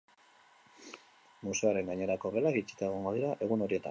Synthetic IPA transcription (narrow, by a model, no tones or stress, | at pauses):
muse̞aɾe̞ŋɡaɲe̞ɾako̞βe̞laɣit͡ʃi̥t̪aeɣ̞oŋɡo̞ð̞iɾaʔe̞ɣuno̞ɾie̞t̪a̰